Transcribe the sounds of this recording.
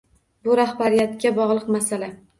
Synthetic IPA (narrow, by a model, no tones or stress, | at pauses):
bʊɾahbaɾijat̪kʲabɒʁlˠɨqmasala